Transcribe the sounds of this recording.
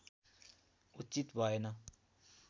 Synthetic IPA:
ut͡ʃit̪bʱaenʌ

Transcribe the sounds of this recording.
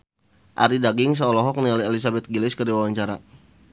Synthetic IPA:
ʔa̰ɾidaɡɪŋs̬aolɔɦɔk̚nialiɛlis̬abɛt̪̚ɡilɪskədiwawaɲt͡ʃaɾa̰

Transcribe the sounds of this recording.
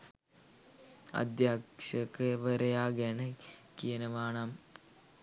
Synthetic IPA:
ɐ̰d̪jaːkʂɐkːɨʋɐɾɐjaːɡenɐkːijɐnɐʋaːɳaːm

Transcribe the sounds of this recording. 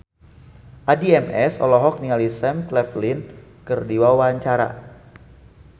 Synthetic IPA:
ʔadiɛmɛsɔ̰lɔɦɔk̚niŋalisɛmklɛflinkərdiwawaɲt͡ʃaɾa̰

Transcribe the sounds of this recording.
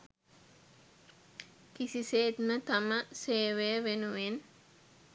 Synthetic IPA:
kisiseːt̪mət̪aməseːʋejəʋenuʋen

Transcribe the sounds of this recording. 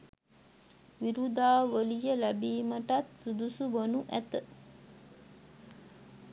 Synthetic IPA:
ʋiɾud̪aːʋəlijəlæbiːməʈat̪sud̪usubonuʔæt̪ə

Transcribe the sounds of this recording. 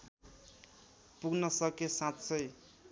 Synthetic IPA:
puɡnʌsʌkesãtt͡sʰʌj

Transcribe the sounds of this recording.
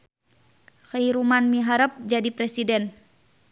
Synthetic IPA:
xəɦiɾumanmiɦaɾəp̚d͡ʒadipɾɛsidɛn

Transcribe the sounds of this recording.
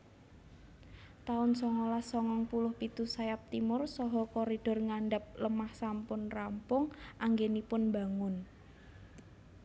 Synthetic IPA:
t̪aʊnsɔŋɔlasɔŋɔŋpulʊhpit̪usajap̚t̪imʊrsɔɦɔkɔɾid̥ɔ̤rŋaɳɖəp̚ləmahsampʊnrampʊŋʔaŋɡenipʊnmba̤ŋʊn

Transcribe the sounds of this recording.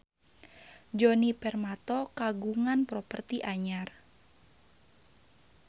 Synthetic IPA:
d͡ʒonipɛrmat̪ɔkaɡuŋanpɾɔpərt̪iʔaɲar

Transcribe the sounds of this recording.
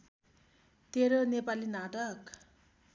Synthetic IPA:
t̪eɾonepalinaʈʌk

